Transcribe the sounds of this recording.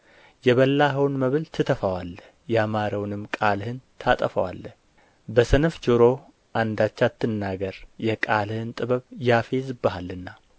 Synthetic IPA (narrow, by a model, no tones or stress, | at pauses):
jɛβəlːaɦəwnməβɨlt̪ʰɨt̪ʰəfawalːəhjɛamaɾəwnɨmːkʼalhɨnt̪ʰat̪ʼəfə̰wa̰lːəh | bəsɨnɨfd͡ʒɨɾo̞ | ʔand̪at͡ʃːat̪ʰːɨnːaɡəɾjɛkʼalhɨnt̪ʼɨβəβjafezɨbːɨhalːɨnːa